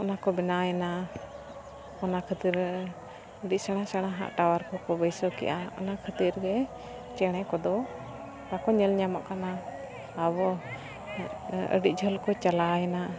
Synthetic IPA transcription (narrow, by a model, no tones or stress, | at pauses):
ɔnakɔbɛnajɛna | ɔnakʰət̪iɾ | əɖic̚sɛɽ̃asɛɽ̃aɦa̰ʔʈawaɾkɔkɔbəjsɔkɛ̰ʔaɔ̰nakʰət̪iɾɡɛ | t͡ʃɛɽ̃ɛkɔd̪ɔ | kakɔɲɛlɲama̰ʔkanaː | bɔ | ə̰ɖic̚d͡ʒʱəlkɔt͡ʃalajɛna